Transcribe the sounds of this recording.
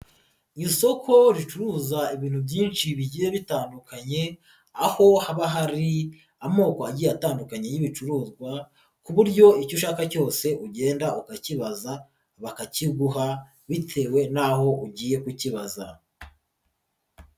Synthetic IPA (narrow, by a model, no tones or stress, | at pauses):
ɲiso̞kʰo̞ɾit͡ʃuɾuːzaiβiːn̥hubɟiːnt͡ʃiβiɟiːje̞βitaːndukaɲe̞ | aho̞haβaɦaɾi | amo̞ːkoaɟiːjataːndukaɲe̞jiβit͡ʃuɾuːzɡwa | kuβuɾɟo̞icoʃaːkaco̞ːse̞ʔuɟe̞ːndaukaciβaza | βakaciɡuɦa | βitʰe̞ːwe̞naho̞uɟiːje̞kuciβaza